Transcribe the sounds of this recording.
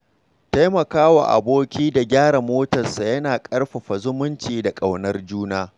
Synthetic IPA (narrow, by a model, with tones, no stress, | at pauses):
ta˦jmɐ˨kaː˦wa̰˨ʔa̰˨boː˦kʲiː˦da˨ɡʲaː˦ɽa˨moː˦tɐ˨nsa˨jɐ˦naː˨kʼɐ˦rɸɐ˨ɸa˨zʊ˦mʊ˦nt͡ʃiː˨da˨kʼa˨wnɐ˦rd͡ʒuː˦naː˦